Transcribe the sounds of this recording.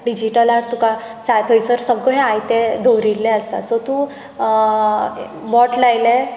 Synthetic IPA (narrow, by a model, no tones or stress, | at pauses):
ɖid͡ʑiʈəlaɾt̪uka | sat̪ʰəjsəɾsəɡɳẽajt̪ed̪ʱoɾilːeəst̪a̰sɔt̪ũ | mɔʈlajle